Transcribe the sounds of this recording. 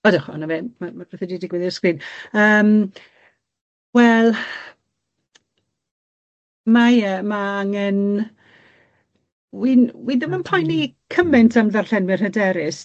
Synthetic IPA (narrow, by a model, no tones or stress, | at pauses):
ɔdɪχɔ̰navemamab̥ɛθədidɪɡwɛðɪskriːnəːm | wɛlˠ | majəmaaŋɛn | winwiðəmənpʰajnikʰəmɛntʰamðarɬɛnmɪrhədɛɾɪs